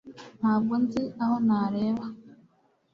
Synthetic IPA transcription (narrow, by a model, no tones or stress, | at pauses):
nabɡon̩ziahonaːɾeβa